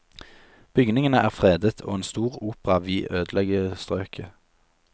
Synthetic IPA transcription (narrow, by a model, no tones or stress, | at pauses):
b̥ʏɡnɪŋənəʔæːʁfʁeːd̪ət̪ʰo̰ːeːnst̪uːʁuːpʁɑʋiːʔøːd̪lɛɡəst̪ʁøːkʰə